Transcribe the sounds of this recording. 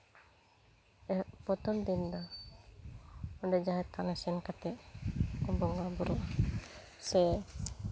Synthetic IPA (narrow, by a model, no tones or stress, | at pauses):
ɛʔpɔt̪ɔnd̪ind̪ɔ | ɔɖɛd͡ʒaɦɛt̪anasɛnkat̪ɛʔɔbɔŋɡabɔɾɔʔa | sɛ